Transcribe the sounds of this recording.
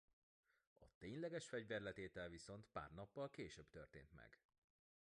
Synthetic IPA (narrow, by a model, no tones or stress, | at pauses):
ɒt̪eːɲlɛɡɛʃfɛɟvɛrlɛt̪eːt̪ɛlviso̞nt̪pa̰ːrnɒpːɒlkeːʃøbt̪ørt̪ḛːnt̪mɛ̰ɡ̥